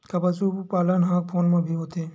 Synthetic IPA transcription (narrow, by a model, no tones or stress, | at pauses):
kapat͡ʃupalanɦãk̚pʰonmãbʱiɦot̪e